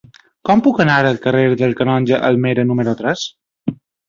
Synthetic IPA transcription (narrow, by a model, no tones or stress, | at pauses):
kɔmpukənaɾəlˠkəreɾðəlˠkənɔnʲd͡ʒəʔəlˠmeɾənuməɾut̪ɾɛs